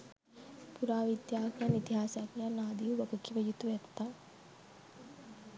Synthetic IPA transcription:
puɾaːʋid̪jaːkjanit̪iɦaːsakijanaːd̪iʋuʋɐkəkːiʋəjut̪uʋɛt̪ːa

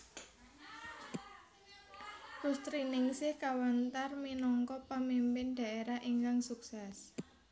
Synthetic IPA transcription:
kust̪ɾinɪŋsɪhkawant̪arminɔŋkɔpəmimpɪnɖ̥a̤eɾaɦʔiŋkaŋsuksɛs

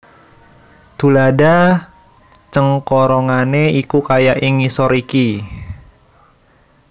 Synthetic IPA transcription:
t̪ṳlada | t͡ʃəŋkɔɾɔŋaneikukajaʔɪŋisɔɾiki

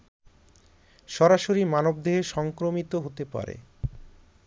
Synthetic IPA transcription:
ʃɔɾaʃoɾimanob̚d̪eɦeʃɔŋkɾomit̪oɦot̪epa̰ɾḛ

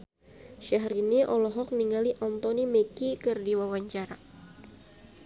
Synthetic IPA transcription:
ʃaɦɾiniʔɔlɔɦɔk̚niŋaliʔɔnt̪ɔnimekikɨrdiwawaɲt͡ʃaɾa

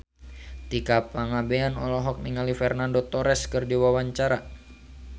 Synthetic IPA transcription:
t̪ikapaŋabeanɔlɔɦɔk̚niŋalifɛrnandot̪ɔɾɛskɨrdiwawaɲt͡ʃaɾa

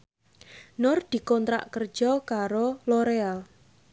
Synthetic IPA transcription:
nʊrd̪̥i̤kɔnt̪ɾa̰ʔkər̥d͡ʒ̥ɔkaɾoloɾeal

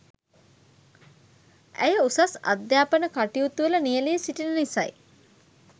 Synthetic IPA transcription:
æ̰jəusasa̰d̪jaːpənəkaʈijut̪uələnijəlejəsiʈinənisaj

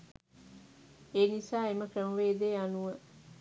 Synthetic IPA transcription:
eːnisaːeməkɾəməʋeːd̪eːanuʋə

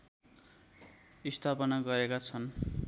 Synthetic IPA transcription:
ist̪ʰapʌnaɡʌɾekat͡sʰʌn

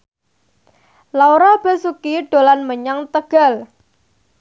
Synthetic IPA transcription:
lawɾɔb̥ə̤sukiɖ̥o̤lanməɲaŋt̪əɡ̥a̤l

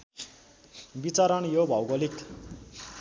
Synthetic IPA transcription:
bit͡saɾʌnjobʱʌwɡʌlik

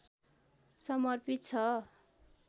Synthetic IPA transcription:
sʌmʌrpit̪̚t͡sʰʌ

